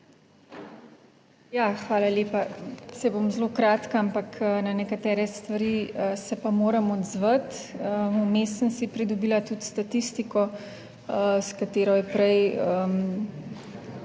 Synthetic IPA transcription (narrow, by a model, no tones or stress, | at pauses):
jaːxʋaːlaleːpasɛbomzlokɾaːt̪kaampaknanɛkat̪ɛːɾɛst̪ʋaɾiəsɛpamoːɾɐmɔd̪zʋət̪əumeːsənsipɾid̪ɔbiːlat̪ut̪st̪at̪ist̪ikɔ | skat̪eːɾɔjɛpɾɛjəm